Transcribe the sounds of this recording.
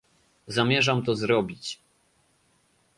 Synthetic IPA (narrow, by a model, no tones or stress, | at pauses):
zamʲjɛʐamt̪ɔzɾɔbʲit͡ɕ